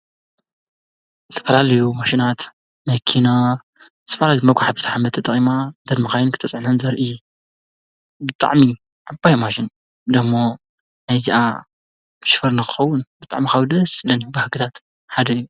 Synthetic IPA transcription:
zɨ̥t̪ʰɐ̥fɐlalɐjumaʃinat̪ | mɐkʰina | ɨ̥sfaɾazmɐɡʷaħabɨt̪ʰaħamɐt̪ʰːɨt̪ʼɐχʼimad̪ɐd̪mɐxajɪnkʰɨ̥t̪ʰɐt͡sʼʕnɐnzɐɾʔi | bɨt̪ʼa̰ʕmi | ʕabːajmaʃin | d̪ɐmːo | najziʔa̰ | ʃɨ̥fɐɾnɨxɨ̥xɐwːʊnbɨt̪ʼa̰ʕmixawlɐsɨlɐnbahɡʰɨt̪ʰat̪ | ħad̪ɐju

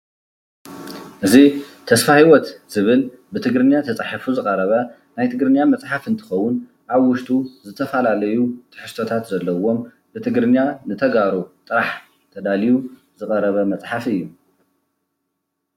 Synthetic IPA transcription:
ʔɨzit̪ʰɐsfahiwɔt̪z̥ɨβɨl | bɨt̪ʰɨɡɾɨɲːat̪ʰɐt͡sʼaħafuzɨkʼɐɾɐβɐ | najt̪ʰɨɡɾɨnːamɐt͡sʼħafɨnt̪ʰɨ̥xɐwːʊn | ʔaβwʊʃt̪ʼuzɨt̪ʰɐfɐlalɐjut̪ʰɨ̥ħɨst̪ʰo̞t̪ʰat̪zɐlːɐwo̞m | bɨt̪ʰɨɡɾɨnːanɨt̪ʰɐɡaɾot̪ʼɨɾaħ | t̪ʰɐd̪aliju | zɨkʼɐɾɐβɐmɐt͡sʼħafɨjːu

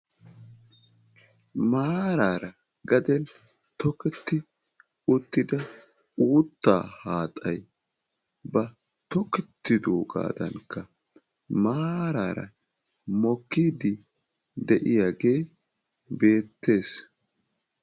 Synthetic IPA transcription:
maːɾaːɾɐ | ɡɐd̪ɛn | t̪ɔkɛt̪ːɪ | ʊt̪ːɪd̪ɐ | uːt̪ːa̰ːhaːt̪ʼɐj | bɐ | t̪ɔkɛt̪ːɪd̪oːɡa̰ːd̪ɐ̰ŋkːɐ | maːɾaːɾɐ̰ | mɔkːiːd̪ɪ | d̪ɛʔɪjaːɡe̞ː | be̞ːt̪ːe̞ːs

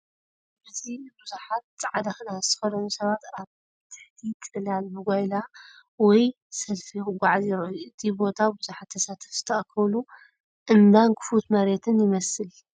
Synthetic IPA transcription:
ʔɨzibuzuħat̪̚ʕad̪axɨnazɨt̪ɨxɐlɐnusɐβat̪aβ | t̪ʰɨ̥ħt̪ʰit̪ʰʼɨʔlalmɨɡʷajlawɔj | sɐlfiɡʷaʕziɾʔuɨt̪ʰibo̞t̪ʰabuzuħat̪ʰːɐsat̪ʰɐ̥fz̥ɨ̥t̪ʰɐʔɐkʰːɐlu | ʔɨmbankʰɨ̥fut̪mɐɾet̪ʰɨnjɪmɐsɨl

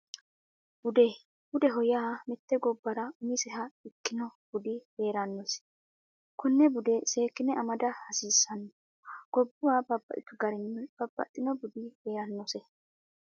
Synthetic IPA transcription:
bʊd̪ɛ | bʊd̪ɛɦɔjaːmɛt̪ːɛɡɔbːɐɾɐʊmɪsɛɦɐɪkːɪnɔb̥ʊd̪ɪhe̞ːɾɐnːɔs | kɔnːɛbʊd̪ɛse̞ːkːɪnɛʔɐmɐd̪ɐhɐsiːsːɐnːɔ | ɡ̥ɔbːʊwaːbɐbːɐ̰ʔɪ̰t̪ʊɡɐɾɪnːɛnb̥ɐbːɐ̰t̪ʼːɪnɔbʊd̪ɪheːɾɐnːɔsɛ

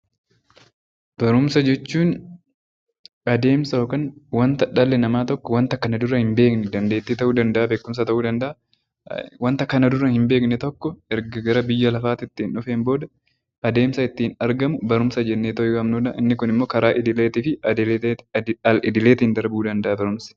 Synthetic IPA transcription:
b̥ɐɾʊmsɐd͡ʒɛt͡ʃːuːn | ʔɐd̪e̞ːmsɐoːkɐnwɐnt̪ɐᶑɐlːɛnɐmaːt̪ɔkːɔwɐnt̪ɐkːɐnɐd̪ʊrːɐhɪmbe̞ːknɛd̪ɐnd̪eːt̪ːiːt̪ɐʔuːd̪ɐnd̪ɐʔaːbe̞ːkːʊms̬ɐt̪ɐʔuːd̪ɐnd̪ɐʔɐ | wɐnt̪ɐkːɐnɐd̪ʊrɐhɪmbe̞ːknɛt̪ɔkːɔɛɾɡɐɡɐɾɐbɪjːɐlɐfaːt̪ɪt̪ːɪːnɔfeːmbo̞ːd̪ɐ | ʔɐd̪e̞ːmsɐɪt̪ːɪɪnɐɾɡɐmʊbɐɾʊmsɐd͡ʒɛnːeːt̪ɔjɐmnuːᶑɐ̰ʔɪnːɪkʊnɪmːo̞ːkɐɾaːʔɪd̪ɪleːt̪iːfɪ | ɐlɪd̪ɪleːt̪ɪɪnd̪ɐɾbuːd̪ɐnd̪ɐʔːbɐɾʊmsɐ̥

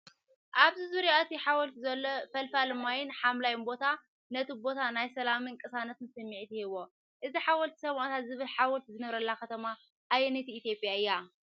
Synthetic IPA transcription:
ʔaβzizuɾiaʔɐt̪ʰiħawɔlt̪ʰizɐlːofɐlfalɨmːajɪnħamlajnbo̞t̪ʰa | nɐt̪ʰibo̞t̪ʰanajsɐlamɨŋkʼɨsanɐt̪nsɨmːiʕt̪ʰihiβo̞ | ʔɨziħawɔlt̪ʰi̥sɐmʔot̪ʰat̪zɨβɨlħawɔlt̪ʰizɨnɐβɾɐlːakɐt̪ʰɐma | ʔajɛnɐt̪iːt̪jo̞pʼjaɨjːa

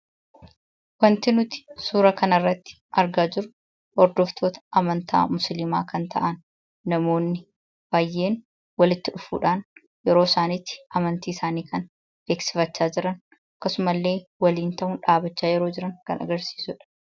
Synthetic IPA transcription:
wɐnt̪ɪnʊt̪ɪ̥suːɾɐkɐnɪrːɐt̪ːɪ̥ʔɐɾɡaːd͡ʒɪɾʊ | ʔɔɾd̪ɔft̪ʰo̞ːt̪ɐ̥ɐmɐnt̪ʰa̰ːmʊslɪmaːkɐnt̪ʰɐ̰ʔɐnː | ɐmo̞ːnːɪ | b̥aːjːe̞ːn | wɐlɪt̪ːɪᶑʊfṵːᶑaːn | jɛɾo̞ːsaːnit̪ːɪ̥ʔɐmɐnt̪iːɪsaːniːkɐn | b̥eːksɪ̥fɐt͡ʃːaːd͡ʒɪɾɐn | ɐkːɐsʊmɐlːe̞ːwɐliːnt̪ɐʔʊnᶑaːbɐt͡ʃːaːjɛɾoːd͡ʒɪɾɐŋkɐnɐ̰ɡɐɾsi̥ːsʊᶑɐ̥

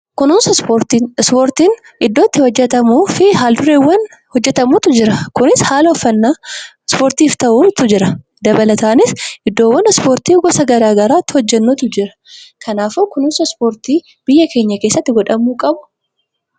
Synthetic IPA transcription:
kʊnʊnsɐspoːɾt̪iːn | ɪd̪ːo̞ːt̪ːɪhɔd͡ʒːɛt̪ɐmuːfɪɦaːld̪ʊɾeːwːɐnhɔd͡ʒːɛt̪ɐmut̪ʊd͡ʒɪɾɐkʊnɪshaːlɐɔfːɐnːaː | spoːɾt̪iːft̪ɐʔuːt̪ʊd͡ʒɪɾɐ | d̪ɐbɐlɐt̪aːnɪsɪd̪ːo̞ːwːɐnːɐspoːɾt̪iːɡɔsɐɡɐɾaːɡɐɾaːt̪ːɪhɔd͡ʒːɛnːut̪ʊd͡ʒɪɾɐ̥kʰɐnaːfuːkʊnuːnsɐspoːɾt̪iː | b̥ɪjːɐke̞ːɲːɐkeːsːɐt̪ːɪɡɔᶑɐmuːkʼɐbʊ̥

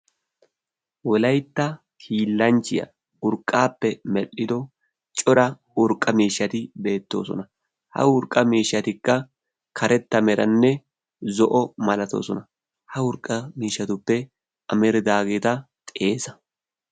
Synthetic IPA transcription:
wɔlɐjt̪ːɐ | kʰiːlːɐnt͡ʃːɪjɐ̰ | ʊɾkʼːaːpːɛmɛʔːɪd̪ɔ | t͡ʃʼɔɾɐ | ʊɾkʼːɐmiːʃːɐt̪ɪbe̞ːt̪ːo̞ːsɔ̰nɐ | hɐ̰wʊɾkʼːɐmiːʃːɐt̪ɪkːɐ | kʰɐɾɛt̪ːɐmɛɾɐnːɛ | zɔʔɔmɐlɐt̪o̞̰ːsɔnɐ | hɐʊɾkʼːɐmiːʃːɐt̪ʊpːɛ | ʔɐmɛɾɛd̪aːɡeːt̪ɐ | t̪ʼɛeːsɐ

